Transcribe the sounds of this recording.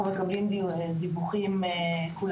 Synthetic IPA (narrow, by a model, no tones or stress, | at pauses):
umekablimd̪ivuχimekul